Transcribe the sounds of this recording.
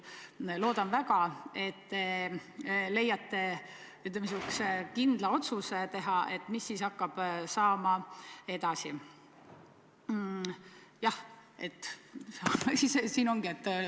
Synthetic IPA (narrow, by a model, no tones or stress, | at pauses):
lo̞ːd̪̥ɑnvæɡɑe̞t̪ːe | le̞jːɑt̪ːe̞ | yt̪lemes̬ukskind̪̥lɑo̞t̪sust̪e̞ɦɑe̞t̪ːˑmisːiːsɑkːɑb̥sɑːmɑe̞d̪̥ɑsi | jɑhe̞t̪ːssisesiːno̞ŋɡ̥iet̪ː